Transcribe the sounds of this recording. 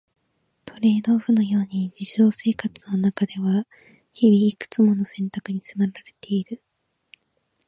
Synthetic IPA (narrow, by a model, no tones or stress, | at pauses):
t̪ʰo̞ɾe̞ːd̪o̞ːɸɯ̟no̞jo̞ːɲ̟id͡ʑiɕo̞ːse̞ːkat͡sɨ̥no̞nakad̪e̞βa | çibʲiːkɯ̟̥t͡sɨmo̞no̞sẽ̞nt̪akɯ̟ɲ̟isɨmaɾaɾe̞t̪e̞iɾɯ̟